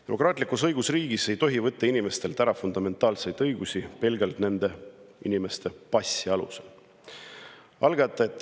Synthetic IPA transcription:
t̪e̞mo̞kˑrɑːt̪likusɤjɡ̥usriːɡ̥ise̞jt̪o̞ɦivɤt̪ˑːɑinime̞st̪e̞lt̪æɾɑfund̪ɑme̞nt̪ːˑɑːlse̞jd̪̥ɤjɡusʲipe̞lɡelt̪ne̞nd̪e̞ḭnime̞st̪e̞pɑsʲːiɑlṵsel | ɑlɡɑt̪ːˑeet̪ːˑ

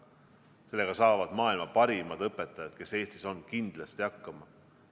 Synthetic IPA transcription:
se̞lːe̞ɡ̥ɑsɑːvɑd̪̥mɑːilmɑpɑɾimɑd̪ɤpːˑe̞t̪ːˑɑjɑd̪̥̚ke̞se̞ːst̪iso̞nkind̪̥lɑst̪iɑkːɑmɑ

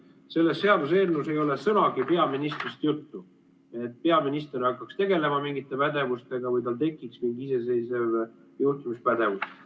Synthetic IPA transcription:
se̞lːe̞sːe̞ɑd̪us̬e̞ːlnuse̞jo̞lesɤnɑɡipe̞ɑminist̪rist̪jut̪ːu | e̞t̪̚ːˑpe̞ɑminist̪e̞ɾɑkːˑɑkst̪e̞ɡe̞le̞mɑmiŋɡit̪ˑːe̞pæd̪e̞vust̪e̞ɡ̥ɑvɤjt̪ɑlt̪̬e̞kːˑiksmiŋɡise̞se̞jse̞v | juht̪umispæd̪̥e̞vus

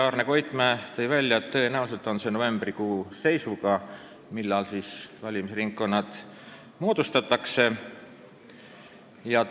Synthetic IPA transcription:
ɑːrne̞ko̞jt̪ˑmæːt̪e̞jvælʲːjɑet̪ːɤ̞enæulise̞lt̪ˑo̞nse̞no̞ve̞mb̥rikuːse̞jsuɡɑ | milːɑlsiːsvɑlʲimisriŋkːo̞nːɑt̪ | mo̞ːd̪̥ust̪ɑt̪ːˑɑkse̞ | jɑ

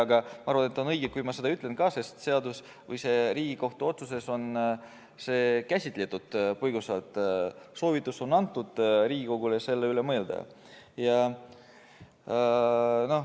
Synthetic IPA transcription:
ɑɡɑmɑɑɾrvɑnet̪ːˑo̞nɤjɡ̥ekujmɑse̞d̪ɑyt̪ːˑle̞nkɑːse̞st̪se̞ɑd̪us | vɯjse̞ɾiːɡiko̞ht̪uo̞t̪sus̬e̞so̞n | se̞ːkæsʲit̪ːˑlet̪ːˑud̪̥̚pɤjɡ̥usɑlt̪ˑso̞ːvit̪ːˑuso̞nɑnt̪ːˑud̪̥ɾiːɡ̥iko̞ɡulese̞lːeyle̞mɤeld̪̥ɑ̰ | jɑ | no̞

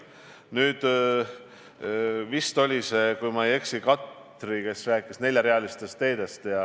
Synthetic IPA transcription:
nyːd̪̥ | vist̪o̞lʲisekujmɑeje̞ksikɑt̪ | rike̞sræːkˑːisne̞lʲjɑɾe̞ɑlist̪e̞st̪ːe̞ːd̪̥e̞st̪jɑ

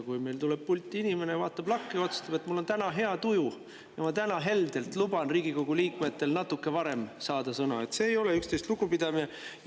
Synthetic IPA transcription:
kujme̞jlt̪uleb̥̚pulʲt̪ʲːˑinime̞nevɑːt̪ːˑɑb̥lɑkːejo̞t̪su̥st̪ɑb̥e̞t̪ːˑmulːo̞nt̪ænɑɦe̞ɑt̪uju | jɑmɑt̪ænɑɦe̞ld̪̥e̞lt̪ˑlubɑnriːɡiko̞ɡ̥uliːkme̞t̪ːe̞lnɑt̪ːˑukːe̞vɑɾe̞msɑːd̪̥ɑsɤnɑe̞t̪se̞ːjo̞leykst̪e̞jst̪luɡ̥upid̪̥ɑmine

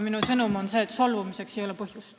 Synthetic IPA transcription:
minusɤnumo̞nse̞ːt̪solvumise̞ksejo̞lɛpɤhjust̪

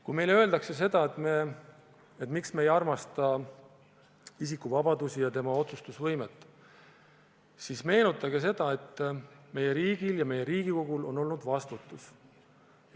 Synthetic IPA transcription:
kujme̞jlø̞e̞ld̪ɑkse̞s̬e̞d̪ɑe̞t̪ˑme | et̪ːˑmiksmeːjɑrmɑst̪ɑ | isikːˑuvɑbɑd̪usijɑt̪e̞mɑo̞t̪sust̪usvɤjmet̪ːˑ | sisme̞ːnut̪ːˑɑɡ̥es̬e̞d̪̥ɑe̞t̪ːˑme̞je̞ɾiːɡ̥iljɑme̞je̞ɾiːɡ̥iko̞ɡ̥ulo̞no̞lnud̪vɑst̪ut̪ːˑus

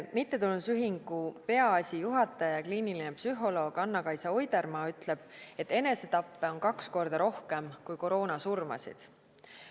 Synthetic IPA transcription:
mit̪ˑːe̞t̪ulnusyɦiŋɡ̥upe̞ɑɑsʲijuɦɑt̪ːˑɑjɑkliːnilinepsyɦo̞lo̞ːɡ̥ɑnːɑkɑjsɑojd̪eɾmɑːyt̪ˑle̞b̥̚e̞t̪ːˑe̞ne̞set̪ɑpːeo̞nkɑksko̞rd̪̥ɑɾo̞hke̞mkujko̞ɾo̞ːnɑsurmɑ̰sḭd̪̥

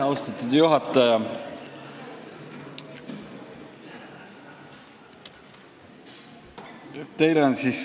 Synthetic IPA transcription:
ɑwst̪ɑt̪ːud̪̥juɦɑt̪ːˑɑjɑ | t̪e̞jleonsis

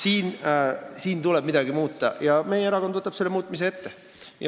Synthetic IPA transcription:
siːn | siːnt̪uleb̥mid̪æɡ̥imuːt̪ːɑ̰jɑmejeɾɑkod̪ot̪ːˑɑpselːemuːt̪ːˑmiseːet̪ːe | jɑ̰

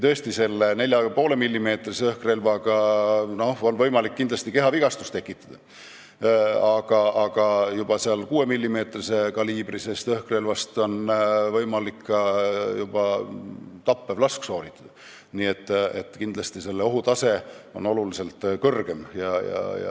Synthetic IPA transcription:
t̪ø̞est̪ise̞lːene̞lʲjɑpo̞ːle̞milʲːime̞ːt̪riseɤhkre̞lvɑɡɑno̞honvɤjmɑlikːind̪lɑst̪ike̞ɦɑviɡ̥ɑst̪ust̪e̞kːˑit̪ːˑɑd̪̥ɑ | ɑɡ̥ɑʔɑɡ̥ɑjub̥ɑseɑlkuːe̞milʲːime̞ːt̪rise̞kɑliːb̥risest̪ɤhkre̞lvɑst̪o̞nvɤjmɑlikːɑjub̥ɑ | t̪ɑpːevlɑskso̞ːlit̪ːˑɑd̪̥ɑ | niːet̪ːˑet̪ːˑkind̪lɑst̪ise̞lːeo̞ɦut̪ɑseo̞̰no̞lulise̞lt̪kɤrɡ̥e̞mjɑ̰jɑ̰jɑ̰

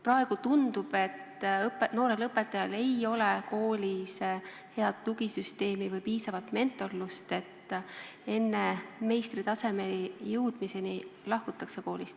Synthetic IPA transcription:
prɑe̞ɡ̥ut̪und̪̥ub̥e̞t̪ːɤpeno̞ːɾe̞lɤpːˑe̞t̪ːˑɑjɑle̞jo̞le̞ko̞ːlʲis | he̞ɑd̪̥t̪ːuɡ̥isyst̪e̞ːmivɤjpiːsɑvɑt̪ːˑme̞nt̪ːˑo̞lːust̪e̞t̪ːˑ | e̞nːe̞me̞jst̪rit̪ɑse̞me̞lijɯwd̪̥mise̞nilɑhkut̪ːˑɑkse̞ko̞ːlist̪

